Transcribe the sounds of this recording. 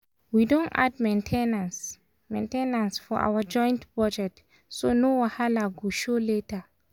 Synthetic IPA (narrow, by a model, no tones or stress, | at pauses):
widõna̰d̚mẽntʰenãns | mḛ̃ntenãnsfɔʔa̰wəd͡ʒɔ̃j̃ntpɹɔd͡ʒɛk̚t | sonowahalaɡuʃoletə